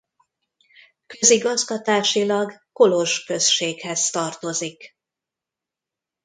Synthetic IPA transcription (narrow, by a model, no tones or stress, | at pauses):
kø̞ziɡɒzɡɒt̪aːʃilɒɡko̞lo̞ʒkø̞sʃeːkhɛzt̪ɒrt̪o̞zik